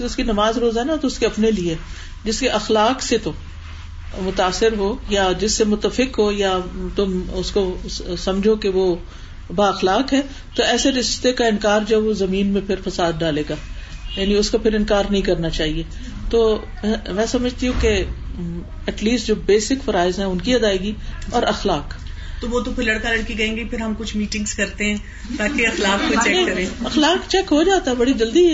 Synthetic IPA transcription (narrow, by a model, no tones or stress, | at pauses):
ʊskinɐmaːzɾoːzaɦɛnat̪oʊskeɐpnelie | d͡ʒɪskeʔɐxlaːkset̪o | mʊt̪aːsːɪɾɦoːjad͡ʒɪsːemʊt̪ːəfɪkɦoːjat̪ʊmʊskosɐmd͡ʒʱokeʋo | baːɐxlaːkɦɛː | t̪oɛːseɾɪʃt̪ekaɪnkaːɾd͡ʒɐɛbʋozɐmĩːnmẽpʰɪɾfɐsaːd̪̚ɖaːleːɡaːjaːniʊskapʰɪɾɪ̃nkaːɾnɐɦĩk̬ɐɾnat͡ʃaːɦieː | t̪oː | ɛ̃mɛ̃ːsɐməd͡ʒʱt̪iɦũke | ɛʈliːsʈd͡ʒoːbeːsɪkfɐɾaːɪzɦɛ̃ʊnkiɐd̪aːeːɡiɔːɾɐxlaːk | t̪oʋot̪opʰɪlɐɽkalɐɽkiɡɐẽːŋɡipʰɪɾɦɐmkʊt͡ʃʰmiːʈɪ̃ŋɡz̥kɐɾt̪eɦɛ̃ː | t̪aːkeɐxlaːkkot͡ʃɛkkɐɾẽːɐxlaːkt͡ʃɛkɦod͡ʒaːt̪aɦɛbɐɽid͡ʒɐld̪iɛ